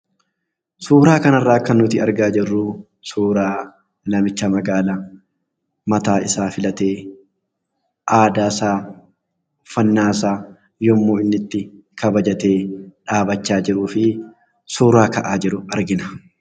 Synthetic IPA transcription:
suːɾaːkɐnɐrːaːkːɐnːʊt̪ɪɐɾɡaːd͡ʒɪrːuː | suːɾaː | lɐmɪt͡ʃːɐmɐɡaːla | mɐt̪aːɪsaːfɪlɐt̪eː | ʔaːd̪aːsaː | fɐnːaːsaː | jɔmːuːɪnːɪt̪ːɪ | kʰɐbɐd͡ʒɐt̪e̞ːᶑaːbɐt͡ʃːaːd͡ʒɪɾuːfɪ | suːɾaːkɐʔaːd͡ʒɪɾʊɐɾɡɪnɐ

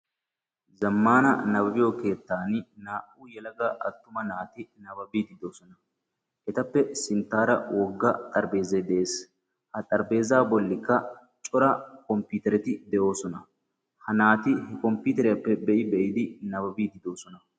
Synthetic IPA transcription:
zɐmːaːnɐ̰nɐbɐbɪjoːke̞ːt̪ːaːnnaːʔuːjɛlɐɡaʔɐt̪ːʊmɐnaːt̪ɪnɐbɐbiːd̪ɪd̪o̞ːsɔnɐ | ʔɛt̪ɐpːɛsɪnt̪ːaːɾɐ̰wɔɡːɐt̪ʼɐɾbe̞ːzɐd̪ɛʔeːs | hɐt̪ʼɐɾbe̞ːzaːbɔlːɪkːɐ | t͡ʃʼɔɾɐkɔmpuːt̪ɛɾɛt̪ɪd̪ɛʔo̞ːsɔnɐ | hɐnaːt̪ɪhɛkɔmpʊːt̪ɛɾɛjɐpːɛbɛʔɪbɛʔɪd̪ɪnɐbɐbiːd̪ɪd̪o̞ːsɔnɐ

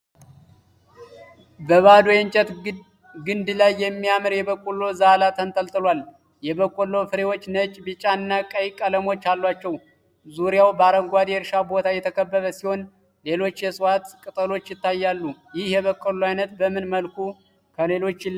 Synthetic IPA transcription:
bəβad̪ojɛnt͡ʃʼət̪ | ɡɨnd̪lajːɛmːiamɨɾjɛbəkʼːulo̞zalat̪ʰənt̪ʼəlt̪ʼɨlwal | jɛβəkʼːolo̞fɨɾe̞wo̞t͡ʃːnət͡ʃʼbɨt͡ʃʼanːakʼəjkʼːələmo̞t͡ʃːalːwat͡ʃːɛw | zuɾijawbəaɾəŋɡʷad̪ɛɾʃabo̞t̪ʰajɛt̪ʰəkʰəbːəβəsiho̞n | le̞lo̞t͡ʃːjɛsʼwat̪kʼɨt̪ʼəlo̞t͡ʃːjɪt̪ːajːalːujɪhjɛβəkʼːoloajnət̪bəmɨnməlku | kʰəle̞lo̞t͡ʃːɪ

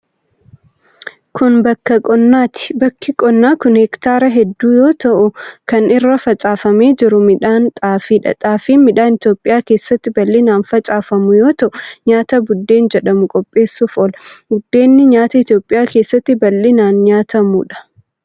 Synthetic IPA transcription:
kʊnbɐkːɐkʼɔnːaːt̪ɪ̥bɐkːɪkʼɔnːaːkʊnhɛkt̪aːɾɐɦɛd̪ːuːjo̞ːt̪ɐʔʊkɐnɪrːɐfɐt͡ʃʼaːfɐme̞ːd͡ʒɪɾʊmɪᶑaːnt̪ʼaːfiːᶑɐ̰t̪ʼaːfiːmɪᶑaːnɪt̪jo̞ːpʼːɪjaːke̞ːsːɐt̪ːɪbɐlːinaːnfɐt͡ʃʼaːfɐmʊjo̞ːt̪ɐʔʊɲaːt̪ɐbʊd̪ːe̞ːnd͡ʒɛᶑɐmʊkʼɔpʼːe̞ːsːʊfɔlɡʊd̪ːe̞ːnːɪɲaːt̪ɐɪt̪jo̞ːpʼɪjaːke̞ːsːɐt̪ːɪbɐlːɪnaːnɲaːt̪ʰɐmuᶑɐ̥

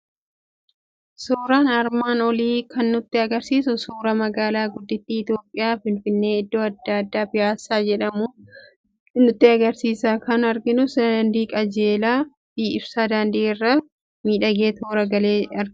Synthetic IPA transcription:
suːɾaːnɐɾmaːnɔliːkʰɐnːʊt̪ːɪɐɡɐɾsiːsʊsuːɾɐmɐɡaːlaːɡʊd̪ːɪt̪ːiːɪt̪jo̞ːpʼːɪjaːfɪnfɪnːe̞ːɪd̪ːo̞ːɐd̪ːad̪ːaːpɪjaːsːaːd͡ʒɛᶑɐmʊ | nʊt̪ːɪɐɡɐɾsiːsaːkɐnɐɾɡɪnʊsɐnd̪iːkʼɐd͡ʒeːlaː | biːɪbsaːd̪aːnd̪iːɪrːɐ | miːᶑɐɡe̞ːt̪ʰoːɾɐɡɐleːɐɾ

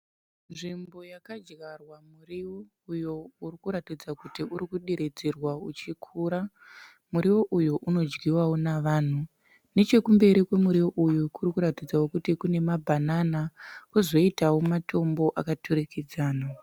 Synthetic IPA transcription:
nʐimbo̞jakad͡ʒɣarwamuriwo | ujourikuɾatid͡zakutiʔuɾikuɗiɾed͡zerwaut͡ʃikʰuːɾa | muɾiwoʔujuʔuno̞d͡ʒɡiwawo̞naʋaːn̤u | ne̞t͡ʃe̞kumbe̞ɾikwe̞muɾiwoʔujukuɾikuɾatid͡zawokutikune̞mabʱananakuzo̞itawomatʰo̞mbo̞ʔakatʰuɾikid͡zaːna

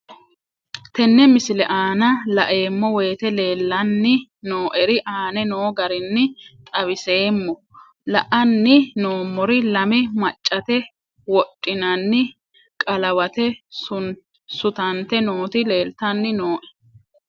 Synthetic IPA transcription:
t̪ɛnːɛmɪsɪlɛʔaːnɐlɐʔe̞ːmːɔwe̞ːt̪ɛle̞ːlːɐnːɪnoːʔɛɾɪʔaːnɛnoːɡɐɾɪnːɪt̪ʼɐβɪse̞ːmːɔ | lɐʔɐnːɪnoːmːɔɾɪlɐmɪmɐt͡ʃʼːɐt̪ɛ | wɔtʼːɪnɐnːɪ | kʼɐlɐwɐt̪ɛ | sʊt̪ɐnt̪ɛnoːt̪ɪle̞ːlt̪ɐnːɪnoːʔɛ̥

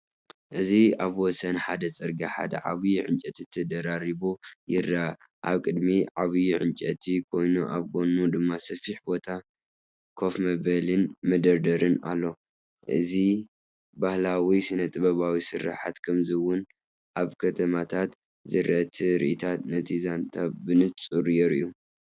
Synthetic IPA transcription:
ʔɨziaβwɔsɐnħad̪ɐt͡sʼɨɾɡaħa̰d̪ɐ̰ʕa̰βɨjuʕɨnt͡ʃʼɐt̪ʰit̪ʰɐd̪ɐɾaɾiβojɪra | ʔa̰βkʼɨd̪miʕaβɨjuʕɨnt͡ʃʼɐt̪ʰikʰo̞jnuʔaβkʰo̞nud̪ɨmːasɐfiħbo̞t̪ʰa | kʰo̞fmɐβɐlɨnmɐd̪ɐɾd̪ɐɾɨna̰lːo̞ | ʔɨ̰zi | bahlawisɨnɐt̪ʼɨβɐβawisɨɾːa̰ħat̪kʰɐmzɨwʊn | ʔaβkʰɐt̪ʰɐmat̪ʰat̪ | zɨɾʔɐt̪ʰiɾḭʔɨt̪ʰat̪nɐt̪ʰizant̪ʰabɨnɨt̪t͡sʼuɾjɛɾɨʔjːu

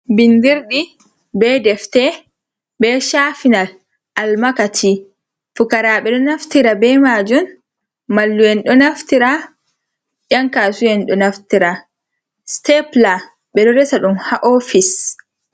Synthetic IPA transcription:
bindiɾɗi | bɛdɛftɛ | bɛʃafinal | ʔalmakatʰi | fukaɾaɓɛɗɔnaftiɾabɛmad͡ʒun | malːujɛnɗɔnaftiɾa | jaŋkaːsujɛnɗɔnaftiɾa | stɛpla | ɓɛɗɔɾɛsaɗumhaʔofis

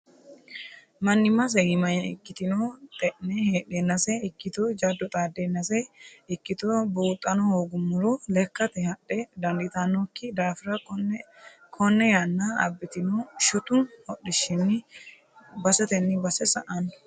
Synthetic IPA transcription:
mɐnːɪmɐs̬ɛɡɪmɐjɪ̰kːɪt̪ɪnoːt̪ʼɛʔnɛheːɗenːɐsɛɪkːɪt̪od͡ʒɐd̪ːɔt̪ʼaːd̪ːenːɐsɛɪkːɪt̪obuːt̪ʼːɐnɔhoːɡʊmʊɾɔlɛkːɐt̪ɛhɐɗɛd̪ɐnd̪ɪt̪ɐnːokːɪd̪aːfɪɾɐ | kʰɔnːɛjanːɐɐ̰bːɪt̪ɪnoːʃɔt̪ʊnhɔɗɪʃɪnːɪ | bɐsɛt̪ɛnːɪbɐsɛsɐʔɐn

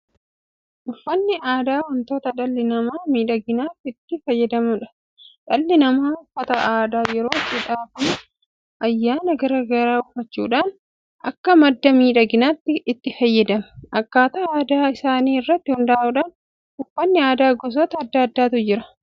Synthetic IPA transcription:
ʔʊfːɐnːɪaːd̪aːwɐnt̪oːt̪ɐᶑɐlːɪnɐmaːmiːᶑɐɡɪnaːt̪ːɪt̪ːɪfɐjːɛd̪ɐmʊᶑɐ̥ | ᶑɐlːɪnɐmaːʊfːɐt̪ɐʔaːd̪aːjɛɾo̞ːɪt͡ʃːɪᶑaːkʊn | ʔɐjːaːnɐɡɐɾaːɡɐɾaːʊfːɐt͡ʃːṵːᶑaːn | ʔɐkːɐmɐd̪ːɐmiːᶑɐɡɪnaːt̪ːɪɪt̪ːɪfɐjːɛd̪ɐmɐ̥ɐkːaːt̪ɐaːd̪aːɪsaːniːɪrːɐt̪ːɪhʊnd̪aːʔuᶑaːn | ʊfːɐnːɪaːd̪aːɡɔs̬ɔt̪ɐɐd̪ːɐɐd̪ːaːt̪ʊd͡ʒɪɾɐ

